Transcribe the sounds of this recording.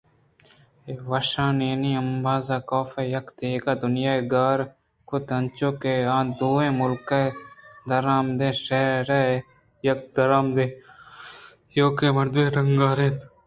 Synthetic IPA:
eʋɐʃãːneːniːɐmbaːzaːkoːfejɐkd̪eːkaːd̪ʊnjaːeɡaːɾ | kot̪ɐnt͡ʃoːkeːãːd̪uːẽːmʊlked̪ɐɾaːmd̪ẽːʃeːɾeː | jɐk̚d̪ɐɾaːmd̪ẽː | joːkeːmɐɾd̪ʋeːɾɐŋɡaːɾẽːt̪

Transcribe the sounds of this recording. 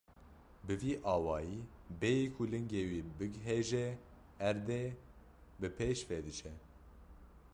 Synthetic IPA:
bɨviːʔɑːwɑːjiːbejikʰulɨŋɡeːwiːbɨɡɦeʒɛ | æɾd̪e | bɨpʰeːʃfɛd̪ɨt͡ʃʰɛ

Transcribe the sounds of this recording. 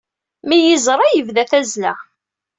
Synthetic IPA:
mijəzˤɾˤɑjəvðæθæzlæ̰

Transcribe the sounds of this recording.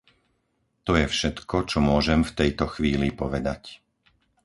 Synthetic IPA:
t̪ɔjɛfʃɛt̪kɔt͡ʃɔmʊɔʒɛmft̪ɛjt̪ɔxʋiːlipɔʋɛd̪ac

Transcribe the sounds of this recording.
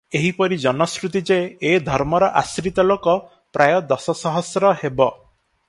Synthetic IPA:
eɦipɔɾid͡ʒɔnɔskɾut̪id͡ʒeːd̪ʱɔɾmɔɾɔʔasɾit̪ɔlokɔ | pɾʔajɔd̪ɔsɔsɔɦɔsɾɔhebɔ

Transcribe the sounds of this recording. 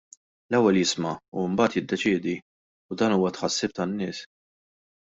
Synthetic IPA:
lɛwːɛljɪsmɐṵɪmbɐːt̪jɪd̪ːɛt͡ʃɪːd̪i | ud̪ɐːnuːwɐt̪ħɐsːɪːp̚t̪ɐnːɪːs

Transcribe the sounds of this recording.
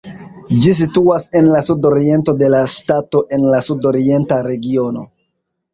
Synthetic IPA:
d͡ʒis̬ituase̞nlasudo̞ɾie̞nto̞de̞laʃtato̞ʔe̞nlasudo̞ɾie̞ntaɾe̞ɡio̞no̞̰

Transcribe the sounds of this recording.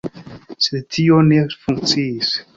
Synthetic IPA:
set̪ʰionefuŋt͡sis

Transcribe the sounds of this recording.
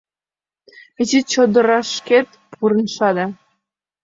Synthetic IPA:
et͡ɕit͡ɕod̪ɤ̆ɾɑʃket̪ | pʰuɾənʃɑd̪ɑ

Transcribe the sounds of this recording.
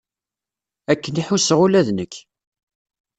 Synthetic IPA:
ækːəniħusʁulæðnəkː

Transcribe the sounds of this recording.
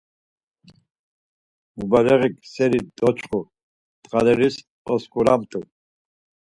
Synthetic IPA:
mubaɾɛʁiksɛɾid̪ɔt͡ʃʰχu | t̪χalɛɾis | ɔskuɾamt̪ʰʼu

